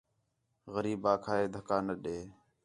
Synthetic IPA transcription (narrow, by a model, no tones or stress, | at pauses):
ɣəɾiːbaːkʰaːeːd̪ʱəkaːnəɗeː